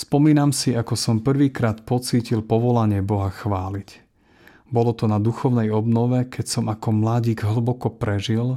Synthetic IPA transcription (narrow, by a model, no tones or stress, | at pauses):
spɔmiːnamsiakɔsɔmpr̩ʋiːkɾaːt̪pɔt͡siːcilpɔʋɔlaɲɪɛbɔɦaxʋaːlic | bɔlɔt̪ɔnad̪uxɔʊnɛjɔbnɔʋɛkʰɛcsɔmakɔmlaɟiːɡɦl̩bɔkɔpɾɛʒil